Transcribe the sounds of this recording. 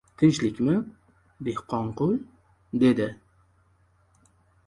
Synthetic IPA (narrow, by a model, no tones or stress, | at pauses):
t̪ʰɪnt͡ʃlɪkʲmɪ | behqʰɒɴqʊj | d̪ed̪ɪ